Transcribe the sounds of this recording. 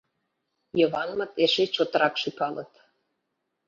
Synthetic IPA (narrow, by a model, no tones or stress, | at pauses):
jəβɑnmə̆t̪eʃet͡ɕot̪ə̆ɾɑkʃypɑlət̪